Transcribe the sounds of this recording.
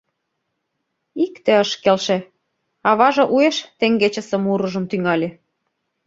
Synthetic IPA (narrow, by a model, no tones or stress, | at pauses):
ikt̪ĕəʃkelʃĕ | ɑβɑʒɤ̆ʔueʃt̪eŋɡet͡ɕə̆sə̆muɾɤʒɤ̆mt̪yŋɑlʲe